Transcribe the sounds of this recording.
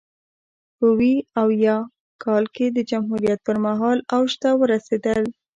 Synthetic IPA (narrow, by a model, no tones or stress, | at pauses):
pəwiawjɑ | kʰɑlked̪əd͡ʒamɦuɾijat̪̚pəɾmaɦɑlawʃt̪awəɾased̪əl